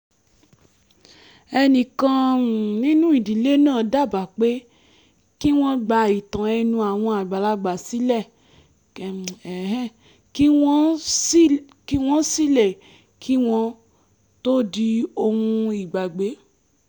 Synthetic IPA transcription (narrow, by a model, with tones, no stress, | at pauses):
ɛ˧nĩ˨kã˧˨nĩ˦nũ˦i˨di˨le˨˦nãː˦˨da˦˨ba˨k͡pe˦ | ki˦w̃ɔ̃˧ɡ͡ba˧i˨tã˨ɛ˧nũ˧a˨w̃ɔ̃˧a˨ɡ͡ba˨la˧ɡ͡ba˨si˨˦lɛ˦˨ | kɛ˨ɦɛ˦ | ki˦ɔ̃˦ | ki˦w̃ɔ̃˦si˦lɛ˦˨ | kʰi˦w̃ɔ̃˧ | to˦di˧o˧hũ˧i˨ɡ͡ba˨ɡ͡be˨˦